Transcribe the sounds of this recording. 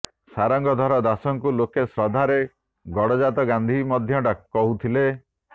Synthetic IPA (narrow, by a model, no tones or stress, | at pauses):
saɾɔŋɡɔd̪ʱɔɾɔd̪asɔŋkulokesɾɔd̪ʱaɾe | ɡɔɽɔd͡ʒat̪ɔɡand̪ʱimɔd̪ʱjɔʈakːɔɦut̪ʰile